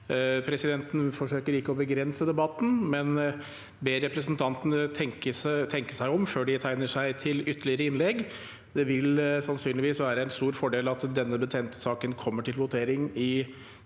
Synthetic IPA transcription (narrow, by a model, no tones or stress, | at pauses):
pʰɾɛsɪd̪ɛnt̪n̩fɔʂøːkəɾɪkːəɔbəɡɾɛnsəd̪ɛbɑt̪ːn̩mɛn | beːɾɛpɾəsnt̪ʰɑnt̪ənət̪ʰɛŋkət̪ʰɛŋkəsæɪɔmføːɖɪt̪ʰæɪnəʂæɪt̪ʰɪlʏt̪ʰːəlɪəɾəɪnlɛɡ | d̪ɛʋɪlsɑnsyːnlɪʋiːsʋæːɾəɛnst̪uːɾfɔɖeːlɑt̪d̪ɛnːəbət̪ʰeːnt̪ə̥sɑːkənkʰɔmːəʈʰɪlʋʊt̪ʰeːɾɪŋɪ